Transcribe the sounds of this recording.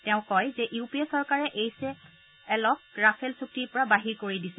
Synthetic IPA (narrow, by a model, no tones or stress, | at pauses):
tɛʊ̃kɔjzɛʔupiesɔɹkaɹɛʔejsɛː | lɔk̚ɹapʰɛlsuk̚tiɹpɔɹabaɦiɹkoɹidisɛ